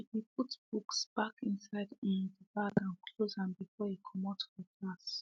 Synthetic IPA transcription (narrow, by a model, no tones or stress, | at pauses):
iip̚utb̥uksb̥akĩnsaɪdĩnðəbaɡãnkʰlozãnbifɔikʰɔmɔtʰəɡas